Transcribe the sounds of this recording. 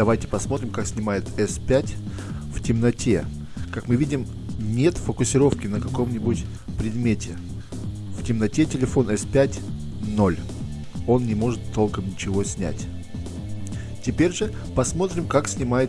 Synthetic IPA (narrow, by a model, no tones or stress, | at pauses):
d̪ɐvajtʲɪ̥pɐsmo̞t̪ɾʲɪmkaksʲnʲɪmajɪt̪ɛspʲætʲ | ftʲɪmnɐtʲʰe̞ | kakmɨvʲidʲɪm | nʲet̪fəkʊsʲɪɾo̞fkʲɪnəkɐko̞mnʲɪbʊtʲ | pɾʲɪd̪mʲetʲɪ | ftʲɪmnɐtʲe̞tʲɪlʲɪfo̞nɛspʲætʲ | no̞lʲ | o̞nnʲɪmo̞ʐɨt̪ʰːo̞lˠkəmnʲɪt͡ɕɪvo̞sʲnʲæ̰tʲ | tʲɪpʲeɾʲʐɨ | pɐsmo̞t̪ɾʲɪmkaksʲnʲɪmajɪt̪